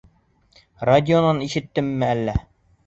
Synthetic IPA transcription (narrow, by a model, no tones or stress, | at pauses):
radʲɪonɑniʃɘ̆t̪ːɘmːɘælːæ